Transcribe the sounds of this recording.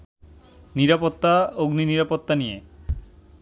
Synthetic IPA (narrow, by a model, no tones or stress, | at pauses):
niɾapot̪ːaoɡniniɾapot̪ːanije